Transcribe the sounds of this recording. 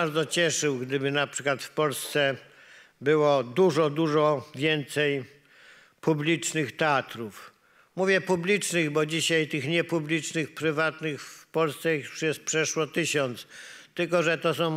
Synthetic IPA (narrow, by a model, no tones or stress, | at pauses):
aɾd̪zɔt͡ɕɛʂɘwɡd̪ɘbɘnapʂɘkwat̪fpɔlst̪sɛ | bɘwɔd̪uʐɔd̪uʐɔvʲjɛnt̪sɛj | publʲit͡ʂnɘxt̪ɛat̪ɾuf | muvʲjɛpublʲit͡ʂnɘɣbɔd͡ʑiɕajt̪ɘxɲɛpublʲit͡ʂnɘxpɾɘvat̪nɘxfpɔlst̪sɛuʂjɛst̪̚pʂɛʂwɔt̪ɘɕɔnt̪st̪ɘlkɔʐɛt̪ɔs̬ɔ̃w̃